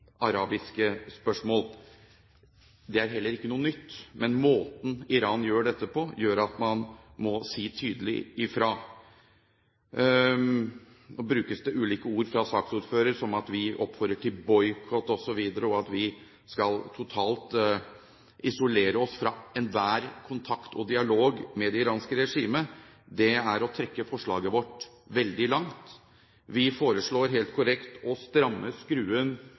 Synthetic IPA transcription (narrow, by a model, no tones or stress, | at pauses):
ɑɾɑːbɪskəspœʂmoːl | d̪ɛæɾɦɛlːəɾɪkːənuːənʏt̪ːmɛnmoːt̪n̩ɪɾɑːnjøːɖɛt̪ːəpʰɔjøːɾɑt̪mɑnmɔsiːt̪ʰyːd̪əlɪ̰ɪfɾɑ | ɔbɾʉːkəsd̪ɛʔʉːliːkəuːɾfɾɑsɑːksuːɾføːɾəɾʂɔmɑt̪ʋɪʔɔpːfœɾəʈʰɪlbɔʏkʰɔt̪ɔsɔʋiːd̪əɾəɔɑt̪ʋɪ | skɑlt̪ʰʊt̪ʰɑːlt̪ | ʔɪsʊleːɾəɔsfɾɑɛnʋæːɾkʰʊnt̪ʰɑkt̪ʰɔd̪ɪɑloːɡmɛd̪ɛɪɾɑːnskəɾɛʂiːməd̪ɛæɾɔt̪ʰɾɛkːəfɔʂɭɑ̰ːɡəʋɔʈː | ʋɛld̪ɪlɑŋt̪ | ʋɪfoːɾəʂɭoːɾɦeːlt̪̚kʰʊɾɛkt̪ɔst̪ɾɑmːəskɾʉːən